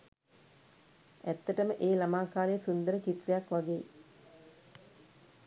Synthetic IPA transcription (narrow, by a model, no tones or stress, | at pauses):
æt̪ːəʈəməʔeːlamaːkaːlejəsund̪əɾət͡ʃit̪rejakʋaɡeː